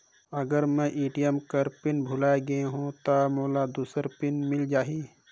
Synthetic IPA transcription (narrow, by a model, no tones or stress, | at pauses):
əɡəɾmɛ̃ʔiːʈijəmkəɾpɪnbʱʊlaːeɡəeɦũt̪amoːlad̪uːsəɾpɪnmɪld͡ʒaːɦiː